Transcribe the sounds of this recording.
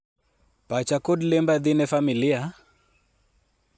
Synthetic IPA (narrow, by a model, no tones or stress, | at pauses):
pat͡ʃakɔdlɛmbaðinɛfamilia